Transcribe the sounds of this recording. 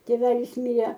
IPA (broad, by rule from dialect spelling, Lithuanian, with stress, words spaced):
tʲeːˈʋʲæːlʲɪs ˈmʲɪrʲɛ